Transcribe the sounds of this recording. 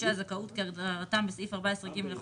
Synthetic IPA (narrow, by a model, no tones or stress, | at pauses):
eazakaut̪keʁat̪ambesifaʁbaesʁiɡimle